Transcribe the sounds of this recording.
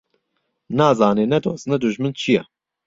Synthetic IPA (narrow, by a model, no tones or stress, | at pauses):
naːzɑːneːnɛd̪oːsnɛd̪uʒmɨnt͡ʃʰijɛ